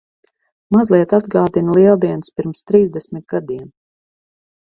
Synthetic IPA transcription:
mazlˠiɛt̪ad̪ɡaːd̪inlˠiɛlˠd̪iɛnspiɾmst̪ɾiːzd̪ɛsʲmit̪̚ɡad̪iɛm

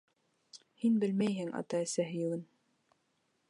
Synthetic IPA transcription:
hinbɘlmæjɦɘŋɑ̰t̪ɑæsæɦɘ̆jɤ̆lˠɤn

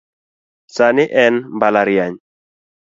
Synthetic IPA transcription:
sanɪʔɛnmbalaɾjaɲ

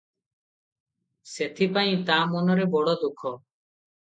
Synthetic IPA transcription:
set̪ʰipaj̃t̪amonɔɾebɔɽɔd̪ukʰɔ

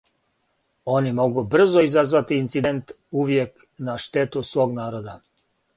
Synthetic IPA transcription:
o̞nimo̞ɡubr̩zoizazʋat̪iːnt̪sid̪ent̪ | uʋje̞k | naʃt̪e̞t̪usʋo̞ːɡnaːɾod̪a

